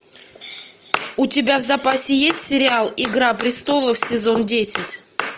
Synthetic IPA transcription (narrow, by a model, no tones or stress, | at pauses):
ʊtʲɪbʲavzɐpasʲɪjesʲtʲsʲɪɾʲɪalˠɪɡɾapɾʲɪst̪o̞lˠəfsʲɪzo̞ndʲesʲɪtʲ